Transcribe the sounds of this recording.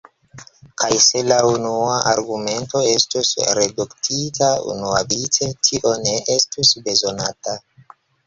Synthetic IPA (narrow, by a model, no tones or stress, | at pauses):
kʰajse̞launuaʔaɾɡume̞nto̞e̞stusɾe̞duktʰitʰaṵnuavit͡se̞tʰiʔo̞ne̞ʔe̞stusbe̞zo̞nata